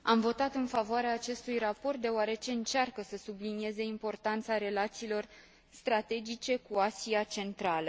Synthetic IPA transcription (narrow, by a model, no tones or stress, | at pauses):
amvo̞t̪at̪ɨnfavoaɾeaːt͡ʃe̞st̪ujrapo̞rt̪̚d̪e̞oaɾe̞t͡ʃe̞ɨnt͡ʃarkəsəsublinije̞ze̞impo̞rt̪ant̪saɾe̞lat̪siːlo̞r | st̪ɾat̪e̞d͡ʒit͡ʃe̞kuasiat͡ʃe̞nt̪ɾalə